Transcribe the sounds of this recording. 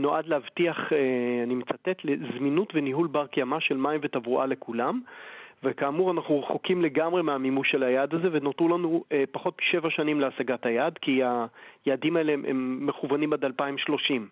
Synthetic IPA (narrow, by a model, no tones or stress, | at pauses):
noʔad̪leavtiaχeanimet͡sat̪etle̞zminutveniɦulbaʁkjamaʃe̞lmaimvet̪avuʔale̞kulamvekaːmuʁanaχnuʁeχokimle̞ɡamʁe̞meamimuʃe̞lajad̪aze̞venotulanuepaχo̞tʃe̞vaʃanimleasaɡathajadkiajaːdimaeleʔḛmːeχuvanimad̪alpaimʃlo̞ʃim